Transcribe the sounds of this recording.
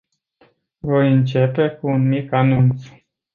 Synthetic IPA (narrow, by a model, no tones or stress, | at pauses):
vo̞jɨnt͡ʃe̞pe̞kuunmikanunt̪s